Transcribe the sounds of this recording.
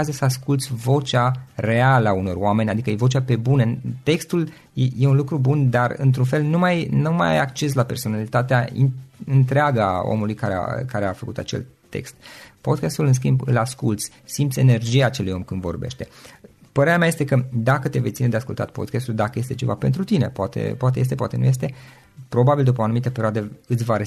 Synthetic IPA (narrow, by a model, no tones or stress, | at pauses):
azəsəaskult̪sʲvo̞t͡ʃare̞aləauno̞rowame̞nʲad̪ikəje̞vo̞t͡ʃʲape̞bunət̪e̞kst̪ul | jeje̞unlukɾubund̪arɨ̰nt̪ɾunfe̞lnumajnuma̰ja̰jakt͡ʃe̞s̬lape̞rsonalit̪at̪eaḭɨnt̪ɾeaɡə̰o̰mulujkaɾea̰kaɾea̰fəkut̪at͡ʃe̞̰lt̪ːe̞̰kst̪po̞d̪̚kʲast̪ulɨns̬kʲimbɨ̰laskult̪sʲ | simt̪sʲe̞ne̞rd͡ʒiaːt͡ʃelujo̞mkɨnd̪vo̞̰rbe̞ʃt̪e̞ | pəɾeɾeameaje̞st̪ekəd̪akət̪e̞ve̞jt̪sined̪easkult̪a̰t̪̚pod̪̚kʲast̪uld̪akəje̞st̪e̞t͡ʃe̞va̰pe̞nt̪ɾut̪ine̞poat̪ḛpowat̪eje̞st̪epowa̰t̪e̞nṵje̞s̬t̪e̞ | pɾo̞babild̪up̬əoanumit̪əpeɾioad̪eɨt̪sʲvaɾe